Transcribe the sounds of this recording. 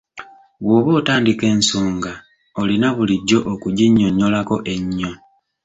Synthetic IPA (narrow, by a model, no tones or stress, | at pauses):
βwo̞ːβoːtaːndike̞ːnsoːŋɡa | olinaβuliɟːo̞ʔokuɟiɲːo̞ɲːo̞lako̞ʔe̞ɲːo